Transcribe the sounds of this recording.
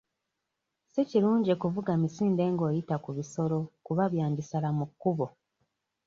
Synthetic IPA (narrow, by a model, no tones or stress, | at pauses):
seciɾuːɲɟekuvuɡamisiːnde̞ːŋɡo̞ːjitakuβiso̞ɾo̞kuβaβjaːɲdisalamukːuβo